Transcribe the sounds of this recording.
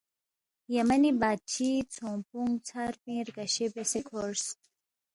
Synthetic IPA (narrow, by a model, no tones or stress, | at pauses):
jamanibaːd̪̚t͡ʃʰit͡sʰõmpuŋɡt͡sʰaɾpĩːɾkɐɕebesekʰoɾs